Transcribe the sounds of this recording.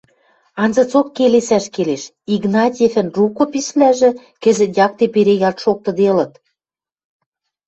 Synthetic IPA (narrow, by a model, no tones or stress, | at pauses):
ɑnzɤ̆t͡sokːelesæʃkeleʃ | iɡnɑt̪ʲefɘ̆nrukopisβlæʒĕ | kɘ̆zɘ̆t̪jɑk̚t̪epeɾejɑt̪ʃok̚t̪ɤ̆d̪elɤ̆t̪